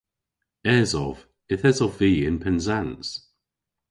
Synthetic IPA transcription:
ɛzɔv̥ | ɪθɛzɔviːɪnpʰɛnzans

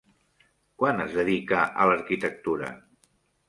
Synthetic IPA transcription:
kwanəzðəðikəʔələɾkit̪ək̚t̪uɾə̰

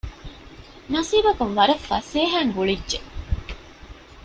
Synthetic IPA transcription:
nɐsiːbɐkuʋʋɐɾɐfːɐ̰seːɦæːŋɡuɭidʒe

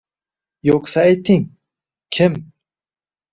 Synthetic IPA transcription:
joqsaajt̪ʰːɪŋ | kʲʰɪm

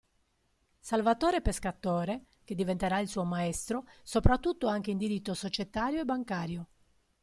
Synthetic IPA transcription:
salvat̪oːɾepeskat̪oːɾe | k̟ed̪ivent̪eɾailsuːomaɛst̪ɾosopɾat̪ːut̪ːoaŋk̟eind̪iɾit̪ːosot͡ʃet̪aːɾjoebːaŋkaːɾjo

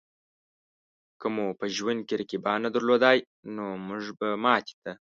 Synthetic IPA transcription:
kəmopəʒwand̪̚keɾakibɑnad̪aɾlod̪ɑj | nomuʐbamɑt̪i̥t̪a

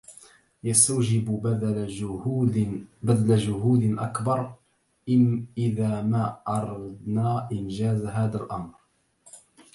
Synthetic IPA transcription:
jast̪awd͡ʒɪb | bad̪lad͡ʒʊɦuːd̪ʔa̰kbɑɾˤ | ʔɪðaːmaʔɑɾˤɑd̪naːʔɪnd͡ʒaːzɦaːðalʔɑmɾ

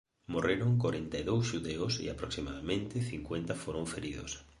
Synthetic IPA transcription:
moreɾoŋkoɾent̪aðowsʃuðeʊsḭapɾoksimaðamẽnt̪ɪθiŋkwent̪afoɾoɱfeɾiðo̰s

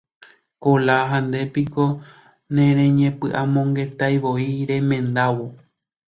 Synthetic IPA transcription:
kolaɦand̪e̞piko̞ | nẽɾẽɲẽ̞pɨʔamõ̞ŋɡe̞t̪ajʋo̞iɾẽ̞mẽ̞nd̪awo

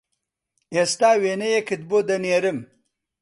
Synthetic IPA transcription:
est̪aːwenejekit̪̚bod̪ɐneːɾɪm

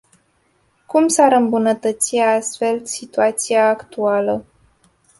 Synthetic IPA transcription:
kumsaɾɨmbunət̪ət̪siast̪fe̞lsit̪uat̪siaːkt̪ualə

